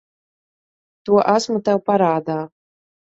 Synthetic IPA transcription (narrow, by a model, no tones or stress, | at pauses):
t̪uɔʔasmut̪ɛwpaɾaːd̪aː